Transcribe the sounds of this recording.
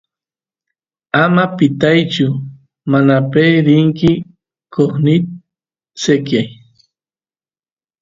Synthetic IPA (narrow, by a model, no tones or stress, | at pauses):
amapɪt̪ajt͡ʃʊ | manapejɾɪŋkɪ | koχnɪt̪̚ | sekjaj